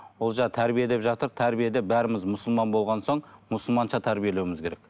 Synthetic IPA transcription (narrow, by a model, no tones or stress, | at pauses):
olˠʒɑt̪ʰæɾbije̞d̪e̞pʒɑt̪əɾt̪ʰæɾbije̞d̪e̞bæɾɪmɪzmʊsəlˠmɑnbo̞lˠʁɑnso̞ɴmʊsəlˠmɑnʃɑt̪ʰæɾbije̞lewɪmɪzkʲʰe̞ɾek